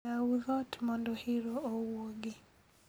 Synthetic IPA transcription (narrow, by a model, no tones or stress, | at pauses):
auðɔtmɔndɔhɪɾoowoɡɪ